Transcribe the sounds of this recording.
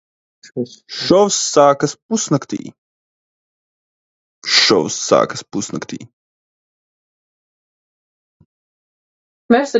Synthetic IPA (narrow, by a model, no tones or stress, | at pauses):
ʃɔwsːaːkɐspusnɐkt̪ḭː | ʃɔ̰wsːa̰ːkɐ̥spusnɐ̰kt̪ḭː | mɛsə